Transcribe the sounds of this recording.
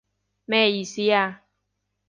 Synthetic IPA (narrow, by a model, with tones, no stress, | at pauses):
mɛ˨ji˨si˦a˧˦